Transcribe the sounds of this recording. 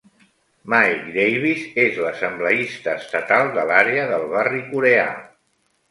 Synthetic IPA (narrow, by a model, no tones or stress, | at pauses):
majɡd̪ejβ̞izezləsəmbləist̪əːst̪ət̪alˠd̪əlaɾeəðəlˠβarikuɾea̰